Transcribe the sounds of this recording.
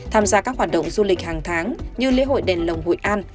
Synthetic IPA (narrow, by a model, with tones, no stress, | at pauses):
t̪ʰaː˧mzaː˧kaː˦˥k̚waː˨˩ɗə̰˧˨wŋ͡mzu˧lï˨˩k̟̚haː˨˩ŋt̪ʰaː˨˦ŋɲɨ˧lḭ˧˦ɦo̰˧˨jɗɛ˨˩nlə˨˩wŋ͡mɦo̰˧˨jʔaː˧n